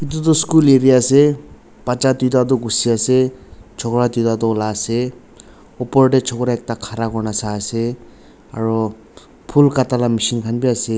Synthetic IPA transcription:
it̪̬utɔskuleɾiase | pat͡ʃat̪ujtat̪̬ɔɡusiaset͡ʃʰɔkɾatujtat̪ɔlaːse | ɔpɔɹʈet͡ʃʰɔkɾaek̚takʰaɾakɔɹnasaːse | aɹɔ | pʰulkatalamisinkʰanbiase

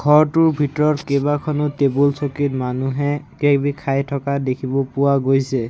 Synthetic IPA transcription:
ɡʱɔɹtʊɹbʱitɔɹɔtkebakʰɔnʊtebulsokitmanuɦɛkekbikʰajtʰɔkadekʰibɔpʊwaɡojsɛ

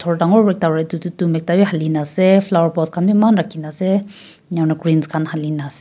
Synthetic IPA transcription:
t̪ʰɔɹd̪aŋɔbɛk̚t̪aɾat̪ut̪ut̪umɛk̚t̪abiɦalinasɛflawəɹpɔt̪̚kʰanbimanɾakʰinasɛ | ɲawnaɡɹinskʰanhalinas

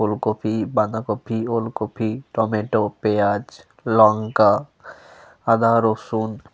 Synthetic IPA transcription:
olkopʰiband̪akopʰiolkopʰiʈɔmeʈopead͡ʒ | lɔŋka | ad̪aɾosun

